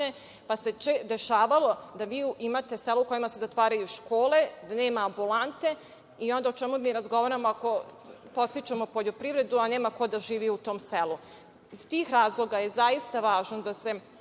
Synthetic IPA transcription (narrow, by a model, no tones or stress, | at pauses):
e | paset͡ʃed̪eʃaːʋalo̞d̪aʋiːuimat̪e̞seluuko̞jimase̞zat̪ʋaːɾajuʃko̞ːle̞d̪ane̞ːmaːmbulˠant̪e̞ | io̞nd̪aot͡ʃe̞mumiːɾazɡo̞ʋaɾamoako̞ | po̞t̪sit͡ʃamopoʎo̞pɾiʋɾe̞d̪uane̞ːmako̞d̪aʒiːʋiut̪o̞ːmse̞lu | izt̪iːxɾaːzlˠo̞ɡajezaist̪aʋaːʒnod̪ase̞